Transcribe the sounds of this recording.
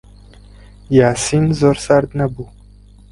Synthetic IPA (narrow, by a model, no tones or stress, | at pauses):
jaːsinzoːɾsaɾd̪nɐbuː